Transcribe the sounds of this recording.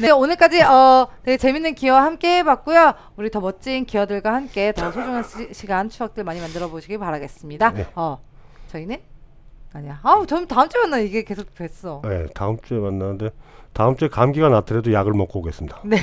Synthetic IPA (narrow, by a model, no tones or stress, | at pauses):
ne̞onɯɭk͈ad͡ʑiʌneɡet͡ɕe̞minːɯnkijʌwahamk͈e̞bak̚k͈ujo | uɾitʌmʌt͡ɕ͈iːnkijʌdɯɭɡwahamk͈e̞tʌsʰod͡ʑoŋɦanɕʰiɡant͡ɕʰuak̚t͈ɯɭmaɲimandɯɾʌboɕʰiɡipaɾaɡe̞s͈ɯmɲidajeʌt͡ɕʌinɯn | aɲiaat͡ɕʌmtaɯmt͡ɕ͈emanːaiɡe̞ke̞sʰok̚twes͈ʌje̞̰taɯmt͡ɕ͈uemanːanɯnde̞taɯmt͡ɕ͈ekamɡiɡanatʰɯɾedojaɡɯɭmʌk͈ʌboɡe̞s͈ɯmɲid̥ane̞